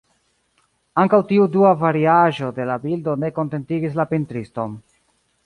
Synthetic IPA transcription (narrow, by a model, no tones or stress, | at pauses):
aŋkawtiuduavaɾiaʒo̞de̞labildo̞ne̞ko̞nte̞ntiɡis̬lapintɾisto̞n